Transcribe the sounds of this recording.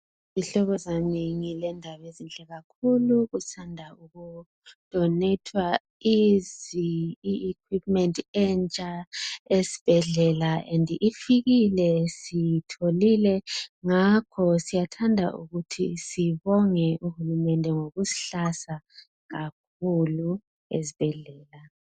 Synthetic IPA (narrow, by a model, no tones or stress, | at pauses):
βiɬɔɣɔzaneŋilɛndʱaβezint͡ɬʼɛɣakʰuluɣusandʱauɣu | d̥ʱɔnetʰwa | iziiːkʰwipmɛntʰʼɛnt͡ʃʼaesi̥b̥ʱɛɮɛlaʔɛndʱifiɣilɛsitʰolilɛŋakʰɔsijatʰandʱa̰ʔṵɣutʰisiβɔŋɛʔuhulumɛndʱɛŋoɣusi̥ɬasa | ɣak̚ʰulu | ezib̥ʱɛɮɛːla